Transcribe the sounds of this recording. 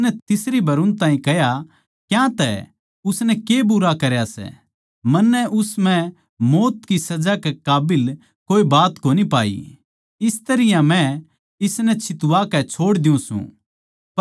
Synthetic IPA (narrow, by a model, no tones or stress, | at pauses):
nɛt̪ɪsɾibʱɐɾʊ̃nt̪ãːĩkɐɦja | kjãt̪ɛ̰ | ʊsnɛkebuɾakɐɾjasɛ̰ | mɐnːɛʔʊsmɛ̃ | moːt̪kisɐd͡ʒakɛkaːbɪl | koːibaːt̪koːnipaːḭ | ɪst̪ɐɾɪjãmɛ̃ | ɪsnɛt͡ʃʰɪt̪ʊʋakɛt͡ʃʰoːɽd̪ɪũsṵ̃